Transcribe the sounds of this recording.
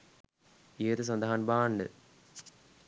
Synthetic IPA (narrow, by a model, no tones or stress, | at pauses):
iːt̪ɨs̬ɐnd̪ʱaɦaːnbaːɳɖɨ̰